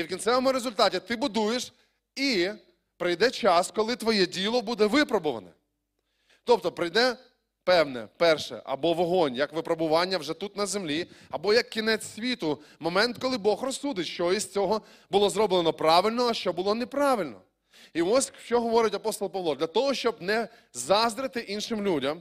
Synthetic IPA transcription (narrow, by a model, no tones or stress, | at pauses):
iwkʲintsɛʋɔmʊɾezʊlʲt̪ɑtʲit̪ɪbʊd̪ujeʃ | i | pɾɪjd̪ɛt͡ʃɑskɔlˠɪt̪ʋɔjɛdʲilˠɔbud̪ɛʋɪpɾɔbʊʋɐ̰nɛ̰ | t̪ɔbt̪ɔpɾɪjd̪ɛ | pɛwnɛ̰pɛrʃɛ̰ʔɐ̰bɔʋɔɦɔnʲjɐkʋɪpɾɔbʊʋɑnʲːɐwʒɛt̪ut̪nɐzemlʲiɐbɔjɐkːʲinɛt͡sʲsʲʋʲit̪ʊmɔmɛnt̪kɔlˠɪbɔxrɔsːud̪ɪtʲʃt͡ʃɔiz̥ʲt͡sʲɔɦɔ | bʊlˠɔzɾɔblˠenɔpɾɑʋɪlʲnɔɐʃt͡ʃɔbʊlˠɔnepɾɑʋɪlʲnɔ̰ | iɔsʲʃt͡ʃɔɦɔʋɔɾɪtʲɐpɔst̪ɔlˠpɐʋlˠɔd̪lʲɐt̪ɔɦɔʃt͡ʃɔbnɛ | zɑzd̪ɾɪt̪ɪʔinʃɪmlʲudʲɐm